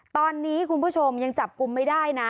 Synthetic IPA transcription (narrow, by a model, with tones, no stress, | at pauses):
t̪ɔː˧nːiː˦˥kʰu˧npʰuː˥˩t͡ɕʰo˧mja˧ŋt͡ɕa˨˩p̚ku˧mːa˥˩jdaː˥˩jna˦˥